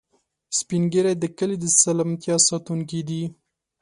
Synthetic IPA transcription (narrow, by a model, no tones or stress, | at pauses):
spiŋɡəɾajd̪əkəlid̪əsalamt̪jɑsɑt̪uŋk̬id̪i